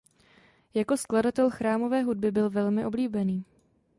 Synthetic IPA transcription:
jako̞skladat̪ɛlxɾaːmo̞vɛːɦud̚bɪbɪlvɛlmɪʔo̞bliːbɛniː

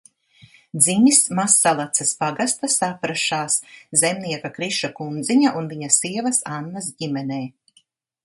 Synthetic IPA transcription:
d̪zimismasːalˠat̪saspaɡast̪asapɾaʃaːszemniɛkakɾiʃakund̪ziɲaʔunviɲasiɛvɐsanːasɟimɛnɛː

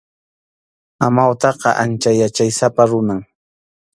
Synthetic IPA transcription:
amawt̪ɑqɑ̰ʔant͡ʃajat͡ʃajsapaɾʊnaŋ

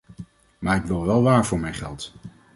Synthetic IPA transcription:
maːɹɪkʋɪlˠʋɛlˠʋaːɹvʊːɹmɛjnχɛ̰lˠt

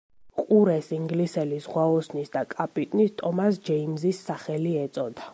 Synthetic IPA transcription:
qʼuɾɛsiŋɡlisɛlisʁwaɔsnisd̪akʼapʼit̪ʼnist̪ʼɔmas̬d͡ʒɛimzisːaχɛliɛt̪sʼɔd̪a

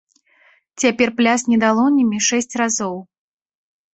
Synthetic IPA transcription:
t͡sʲapʲɛrplʲasʲnʲɛd̪alˠɔnʲimʲiʂɛsʲt͡sʲrazɔw

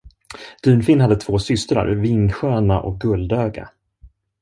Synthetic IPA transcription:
d̪̥ʉ̟ːnfɪnːhad̪ːət̪ʰvoːsʏst̪ɾa̰ɾvɪnɧøːnaʔɔ̰k̚ɡɵld̪øːɡa̰

